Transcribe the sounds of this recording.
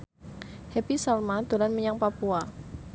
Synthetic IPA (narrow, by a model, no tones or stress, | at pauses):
hɛpisalmad̪̥o̤lanməɲaŋpapua